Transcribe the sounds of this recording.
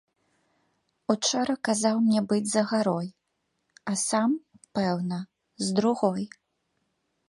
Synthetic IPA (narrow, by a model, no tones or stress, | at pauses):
ut͡ʂɔɾɐkazawmnʲɛbɨd͡zʲzɐɣaɾɔj | asam | pɛwnɐ | zd̪ɾuɣɔj